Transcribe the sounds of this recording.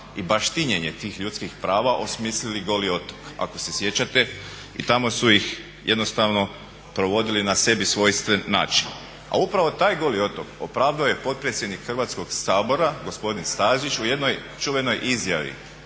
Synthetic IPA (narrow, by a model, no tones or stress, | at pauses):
ibaʃt̪iɲeɲe̞t̪iːxʎut̪skixpɾaːʋaʔo̞smiːsliliɡo̞lio̞t̪o̥ka̰ko̞se̞sje̞t͡ɕat̪e̞ | ḭt̪amo̞suix | jʔe̞d̪no̞st̪aʋno̞ | pɾo̞ʋo̞d̪ilinase̞bisʋo̞jst̪ʋenːa̰ːt͡ʃin | a̰upɾaʋo̞t̪aːjɡo̞lio̞t̪oko̞̰pɾaːʋd̪aoje̞po̞t̪̚pɾet̪sʲje̞d̪nikxr̩ʋaːt̪sko̞ɡsaːbo̞ɾaɡo̞spo̞d̪inst̪aːʒit͡ʃuje̞d̪no̞j | t͡ʃuʋe̞no̞jʔizjaʋḭ